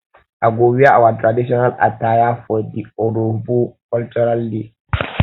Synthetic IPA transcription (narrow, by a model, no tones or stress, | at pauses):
ʔaɡowijaawat̪ʼɾadisɔnala̰tːaːjafɔdiɔɾubukɔlt͡ʃɔɾaldi